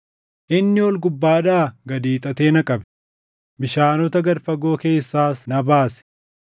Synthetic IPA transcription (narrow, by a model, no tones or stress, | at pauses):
ʔɪnːɪwɔlɡʊbːaːd̪aːɡɐd̪iːt̪ʼɐt̪e̞ːnɐkʼɐbɛ̥ | bɪʃaːnɔt̪ɐɡɐɾfɐɡo̞ːke̞ːsːaːsnɐbaːsɛ̥